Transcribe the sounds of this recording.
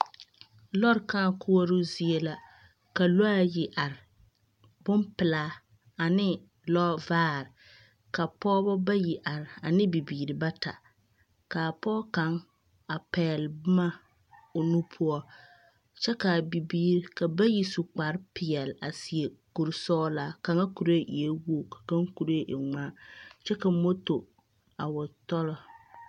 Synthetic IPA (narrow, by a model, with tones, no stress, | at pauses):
lɔ˦ɾka˦ŋkʰʊ˦ɔ˦ɾʊ˦zi˨ɛ˨la˨ | ka˨lo˦a˦jɪ˨ʔa˨ɾɪ˨ | bʊ˦mpɪ˨laː˦ | a˨nɪ˦ | lɔ˦vaː˦˨ɾɪ˨ | ka˨pɔː˦bɔ˦ba˦ji˨ʔa˨ɾɪ˨a˨nɪ˦bi˨biː˨ɾɪ˨ba˦ta̰˨ | ka˨pɔː˦ka˨˦ŋ | a˨pɛː˨lbma˦ | ʊ˨nũ˦pʰʊ˦ɔ˦ | t͡ʃɛ˦ka˨bi˨biː˨ɾka˨ba˦ji˨sʊ˨k͡pa˨ɾpɪ˨ɛ˨la˨sɪ˨e˨ku˨ɾsɔː˦la˨ka˨ŋa˦ku˨ɾe˦ʔi˨e˦wo˦˨kḁ˨ka˦ŋku˨ɾa˦ʔɪ˨ŋ͡maː˦t͡ʃɛ˦ka˨mo˦to˨ | a˨wʊ˨tɔ˦lɔ˨